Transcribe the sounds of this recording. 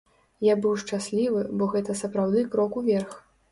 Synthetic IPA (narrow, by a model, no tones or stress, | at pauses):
jabɨwʂt͡ʂasʲlʲivɨbɔɣɛt̪ɐsɐpɾawd̪ɨkɾɔkuvʲɛrx